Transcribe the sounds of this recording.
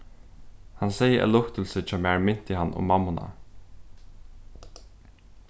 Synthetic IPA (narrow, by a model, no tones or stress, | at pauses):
hansɛjəʔæ̰lʊkt̪ɪlsɪt͡ʃʰɛːmæɹmɪn̥t̪ɪhanːʊ̰mamːʊna̰